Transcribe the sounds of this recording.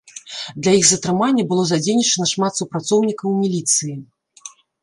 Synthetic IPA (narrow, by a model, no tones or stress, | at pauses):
d̪lʲɐjixzɐt̪ɾɨmanʲːɐbɨlˠɔzad͡zʲenʲit͡ʂɐnɐʂmat̪supɾat̪sɔwnʲikɐwmʲilʲit̪sɨji